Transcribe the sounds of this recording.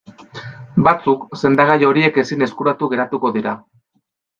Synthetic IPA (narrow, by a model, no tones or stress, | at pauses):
bat͡sukse̞nd̪aɣ̞ajo̞ɾie̞ke̞sine̞skuɾat̪uɣe̞ɾat̪uko̞ðiɾa